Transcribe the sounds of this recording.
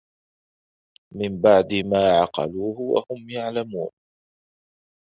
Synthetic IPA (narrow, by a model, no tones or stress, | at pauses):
mɪmbaʕd̪ɪmaːʕɑqɑ̰luːhʊwa̰hʊmjaʕlamuːn